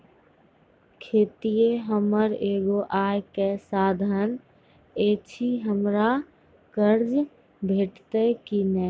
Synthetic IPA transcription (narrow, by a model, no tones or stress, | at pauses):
kʰeːt̪ijeɦəməɾeːɡoʔaːjkesaːd̪ʱən | eːt͡ʃʰiɦəmɾa | kəɾd͡ʒ | bʱeːʈt̪ekinɛː